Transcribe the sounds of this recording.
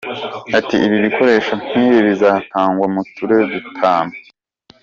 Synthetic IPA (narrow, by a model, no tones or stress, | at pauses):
atiʔiβiβikʰo̞ɾe̞ːʃan̥hiːɾiβizataːŋɡwamutuɾe̞βutʰaːno